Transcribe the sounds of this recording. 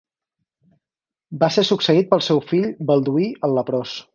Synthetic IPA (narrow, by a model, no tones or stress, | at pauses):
basesuksəit̪̚pəlˠsɛwfiʎbəlˠd̪uiəlːəpɾɔs